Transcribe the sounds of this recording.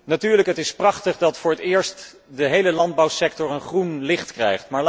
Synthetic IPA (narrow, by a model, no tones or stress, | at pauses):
natyːɹləkɦətɪsprɑχtəχdɑtfʊːɹətɪːɹst | dəɦejləlɑnd̚bɑwsɛk̚tɔɹənχrunlɪχtkrɛjχtmaːɹl